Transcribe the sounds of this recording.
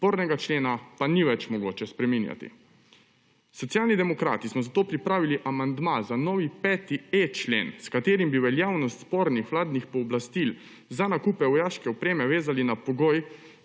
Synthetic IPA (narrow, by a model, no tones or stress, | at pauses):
spoːɾnɛɡat͡ʃleːnapaniʋɛt͡ʃmɔɡoːt͡ʃɛspɾɛminja̰t̪ḭ | sɔt̪sjaːlnid̪ɛmɔkɾa̰ːt̪ismɔzat̪oːpɾipɾaːʋiliʔamand̪mazanɔːʋipɛːt̪iet͡ʃlḛːnskat̪eːɾimbiʋɛljaːwnɔst̪spoːɾnixʋlaːd̪nixpɔːblast̪il | zanakuːpɛʋɔjaːʃkɛɔpɾeːmɛʋeːzalinapɔɡoj